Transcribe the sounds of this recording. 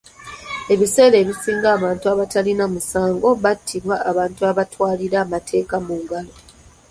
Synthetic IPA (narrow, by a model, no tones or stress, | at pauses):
e̞βise̞ːɾe̞ːβisiːŋɡaːβaːntuaβatalinamusaːŋɡo̞βatʰːiβwaːβaːntuaβatwaːliɾaːmatʰe̞ːkamuːŋɡalo